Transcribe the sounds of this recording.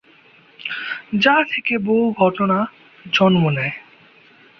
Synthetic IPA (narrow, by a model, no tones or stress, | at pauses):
d͡ʑat̪ʰekeboɦuɡʱɔʈona | d͡ʑɔnmonae